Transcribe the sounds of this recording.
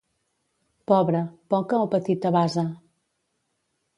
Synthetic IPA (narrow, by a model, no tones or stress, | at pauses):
pɔβɾəpɔkəopət̪it̪əβazə